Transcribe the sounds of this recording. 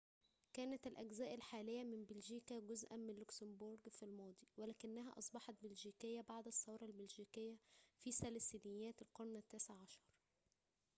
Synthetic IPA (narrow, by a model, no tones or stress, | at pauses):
kæːnæt̪ælʔæɡzæːʔælħaːlejːæmɪnbelʒiːkæɡʊzʔæ̰nmɪnlʊksɪmboɾɡfilmɑːd̪ˤiwælæːkɪnːæɦæ̰ʔɑsˤbɑħɑt̪̚bɪlʒiːkɪjːæbaʕd̪ɑsˤːɑwɾˤɑlbælʒiːkɪjːæfiːsælsinɪjːæːt̪ɪlqɑɾˤnæt̪ːæːseʕʕːɑʃɑɾˤ